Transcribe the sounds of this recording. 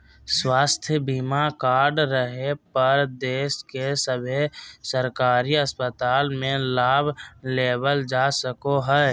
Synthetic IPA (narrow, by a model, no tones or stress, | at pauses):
swaːst̪ʰjəbimakaːɾɖɾəɦepəɾd̪eːskesəbʱesəɾkaːɾiəspət̪aːlmẽlaːbʱleːbəld͡ʒaːsəkoɦɛː